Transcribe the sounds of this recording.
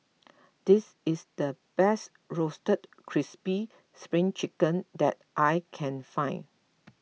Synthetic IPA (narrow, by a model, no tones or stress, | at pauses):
d̥is | ɪsdəb̥ɛst | ɹostət̚kʰɹispi | spɹĩŋt͡ʃikə̃ndɛt̚ʔajkʰɛ̃nfãɪ̃n